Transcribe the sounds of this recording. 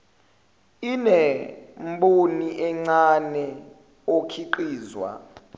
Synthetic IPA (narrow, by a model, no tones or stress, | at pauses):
inɛmɓoniʔɛŋ͡ǀanɛ | okʰiǃiːzwa̰